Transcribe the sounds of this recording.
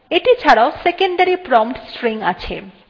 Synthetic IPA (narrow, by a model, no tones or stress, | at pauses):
eʈit͡ɕʰaɽaosekeɳɖaɾipɾɔmpʈsʈɾiŋa̰t͡ɕʰḛ